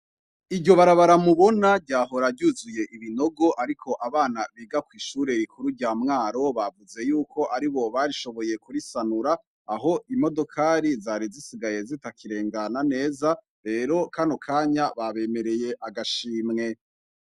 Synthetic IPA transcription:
iɟo̞βaɾaβaɾamuβo̞nabɟaːɦo̞ɾaɟuzuje̞ʔiβino̞ɡo̞ʔaɾikʰo̞ʔaβaːnaβiːɡakwiːʃuːɾe̞ɾikuɾuɟamŋaːɾo̞βavuze̞juːkʰo̞ʔaɾiβo̞βaɾiʃo̞βo̞je̞kuɾisanuɾaː | ɦo̞ʔimo̞do̞kʰaːɾizaːɾizisiɡaje̞zitakiɾe̞ːŋɡanane̞ːza | ɾe̞ːɾo̞kanokʰaːɲaβaβe̞me̞ɾe̞je̞ʔaɡaʃiːmŋe̞

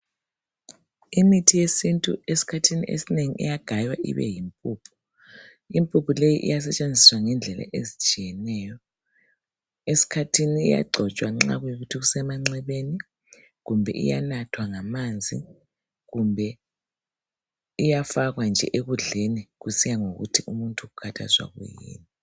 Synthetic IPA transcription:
imitʰijesintʼṵesi̥kʰatʰinḭʔḛsineŋiʔḭjaɡ̥ʱajwa̰ʔḭβɛ̰jimpʼuːpʰu̥ | impʼupʰulejiʔḭjas̬ɛt͡ʃʼend͡zʱiswaŋɛnd͡ɮʱɛla̰ʔezit͡ʃʼijɛnɛːjɔ | esi̥kʰatʰinḭːja̰ɡ͡ǀʱɔt͡ʃʼwaŋ͡ǁa̰ɣujoɣutʰiɣusɛmaŋ͡ǀɛβeni | ɣumbʱɛ̰ʔḭja̰natʰwaŋamand͡zʱḭ | ɣumbʱɛ | ijafaɣwand͡ʒʱɛ̰ʔeɣuɮeniɣusijaŋoɣṵtʰiumuntʼuɣukʰatʰa̰zwa̰ɣṵjḭːni

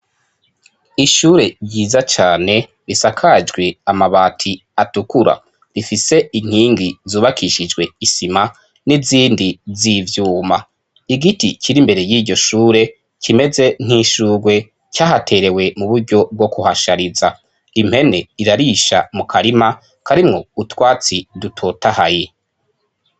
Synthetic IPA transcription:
iʃuːɾe̞ɾɟiːzat͡ʃaːne̞ | ɾisakʰad͡ʒɡwe̞amaβaːtʰi | atukuɾa̰ | ɾifise̞iŋ̥hiːŋɡizuːβakʰiʃid͡ʒɡwe̞isima | niziːndizivjuːma | iɡitikʰiɾimbe̞ɾe̞jiːɟo̞ʃuːɾe̞ | kʰime̞ze̞n̥hiʃuːɾɡwe̞ | caːɦatʰe̞ɾe̞we̞muβuɾɟo̞b̚ɡo̞kuhaʃaɾiza | im̥he̞ne̞iɾaɾiʃa̰mukʰaɾima | kʰaɾimŋo̞utwaːt͡sidutʰo̞ːtahaje

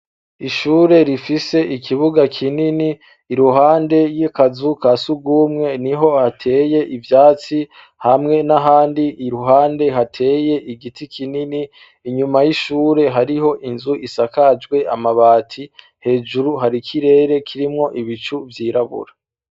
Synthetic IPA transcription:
iʃuːɾe̞ɾifise̞ʔikʰiβuɡakʰininiː | ɾuɦaːnde̞jikazukasuɡɡuːmŋe̞niɦo̞hatʰe̞ːje̞ʔivjaːt͡si | hamŋe̞naɦaːndiiɾuɦaːnde̞ɦatʰe̞ːje̞ʔiɡitikʰininiː | ɲumajiʃuːɾe̞ɦaɾiɦo̞ʔinzuʔisakad͡ʒɡwe̞ʔamaβaːtʰi | he̞ːd͡ʒuɾuɦaɾikʰiɾe̞ːɾe̞kʰiɾimŋo̞ʔiβit͡ʃuvjiːɾaβṵɾa

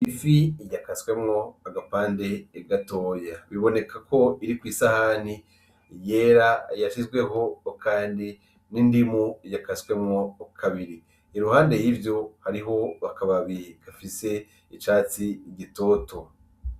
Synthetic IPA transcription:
ifijakaswe̞mŋo̞aɡapaːnde̞ːɡato̞ːjaβiβo̞ne̞kʰakʰo̞iɾikwiːsahani | jeːɾajaʃizɡwe̞ɦo̞kʰaːndi | nindimuijakaswe̞mŋokʰaβiɾiː | ɾuhaːnde̞jivjo̞haɾiɦo̞βakaβaβikafise̞ | it͡ʃaːt͡siɡito̞to̞

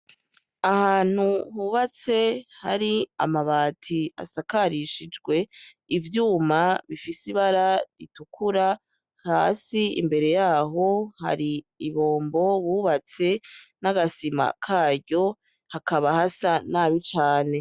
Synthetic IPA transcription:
ahaːn̥huhuβat͡se̞ha̰ɾia̰maβaːtʰia̰sakaɾiʃid͡ʒɡwe̞ | ivjuːmaβifisiβaɾaɾitukʰuɾa | haːsiḭmbe̞ɾe̞jaːɦo̞ha̰ɾi | iβo̞ːmbo̞βuːβat͡se̞naɡasima̰kʰaːɟo̞ | hakʰaβahasanaːβit͡ʃaːne̞

